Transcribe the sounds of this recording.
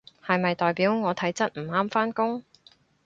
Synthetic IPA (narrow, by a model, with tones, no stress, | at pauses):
hɐ˨jmɐ˨jt̪ɔː˨jpiː˨˥wŋɔː˨˧t̪ʰɐ˨˥jt͡sɐ˥t̚m̩˨˩aː˥mfaː˥nkʊ˥ŋ